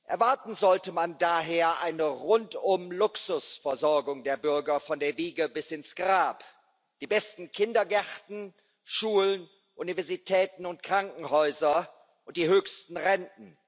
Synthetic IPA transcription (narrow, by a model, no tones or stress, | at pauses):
ʔɛɐvaɐtn̩zɔltəmandaːɦeːɐʔaɪnəʁʊntʊmlʊksʊsfɛɐzɔɐɡʊŋdeːɐbʏɐɡɐfɔndeːɐviːɡəbɪsɪnsɡ̥ʁaːp | d̥iːbɛstn̩kʰɪndɐɡɛʁtn̩ | ʃuːlən | ʔunivɛɐzitʰɛːtn̩ʊntkʁ̥aŋkŋ̩hɔʏzɐ | ʔʊnt̚d̥iːhøːçstn̩ʁɛntn̩